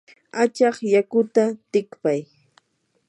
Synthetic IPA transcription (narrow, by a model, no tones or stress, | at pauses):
at͡ʃɑχjakʊt̪at̪ɪkpaj